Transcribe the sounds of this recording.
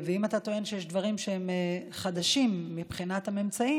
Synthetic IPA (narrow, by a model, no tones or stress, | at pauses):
veimat̪at̪o̞e̞nʃejeʃd̪vaʁimʃeemeχad̪aʃimːipχinat̪hamemt͡sai